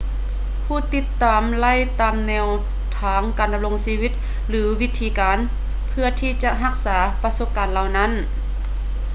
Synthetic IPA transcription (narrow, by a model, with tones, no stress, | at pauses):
pʰuː˧˩t̪i˧˥t̪ːaː˨mla˧˥˨jt̪aː˨mnɛː˧w | t̪ʰaː˨˦ŋkaː˨˩nda˧m̚lo˧ŋsiː˧wi˧˥t̪̚ | lɯː˨˦wi˧˥t̪ʰːiː˧kaː˨˦n | pʰɯ˧˩ɐt̪ʰiː˧˩t͡ɕa˧ɦa˧˥k̚saː˩˦pa˧so˧˥p̚kaː˨nla˧˩wna˧˥˨n